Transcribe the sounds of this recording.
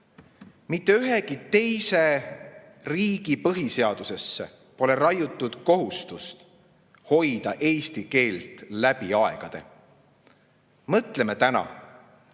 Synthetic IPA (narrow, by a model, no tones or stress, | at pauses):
mit̪ːe̞yɦe̞kit̪e̞jse̞ | riːɡ̥ipɤɦise̞ɑd̪̥use̞sːḛ | po̞le̞ɾɑjut̪ˑːud̪̥ko̞ɦust̪ust̪ | ho̞jd̪ɑʔe̞ːst̪ike̞ːlt̪læb̥iɑe̞̰ɡ̥ɑd̪̥e̞̰ | mɤt̪le̞met̪ænɑ̰